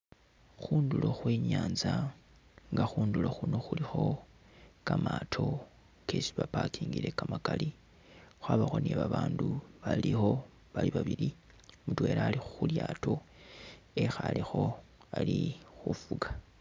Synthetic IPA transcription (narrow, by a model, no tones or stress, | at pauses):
xuːndulo̞xweːɲaːnza | ŋɡaxuːnduloxuno̞xulixo̞ | kamatʰo̞ | kʰe̞si̥βapakiːŋɡiɾe̞kamakali | xwaːβaxo̞neβaβaːnduβalixo̞ | βaliβaβiɾi | mutwe̞ːɾaːlixu̥xuljaːto̞ | e̞xalixo̞alixufuɡḁ